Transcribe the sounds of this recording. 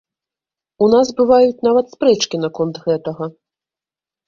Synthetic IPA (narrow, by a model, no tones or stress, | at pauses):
unasbɨvajut͡sʲnavɐt̪spɾɛt͡ʂkʲinɐkɔnt̪ɣɛt̪ɐɣɐ